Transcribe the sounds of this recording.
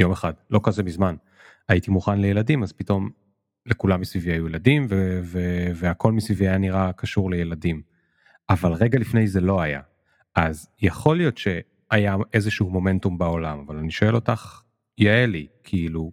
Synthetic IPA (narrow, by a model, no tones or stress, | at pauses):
jo̞meχadlo̞kazemizman | ajitimuχanlejeladimazpito̞m | lekulamːisviviajujeladimveveveako̞lmisviviajaniʁakʰaʃuʁlejeladim | avalʁe̞ɡalifne̞jzelo̞aja̰ | ʔazjaχo̞lijo̞tʃe̞ | ajaʔe̞zeʃuhumo̞me̞ntumbao̞lamavalaniʃo̞e̞lo̞taχ | jaelikʰiilu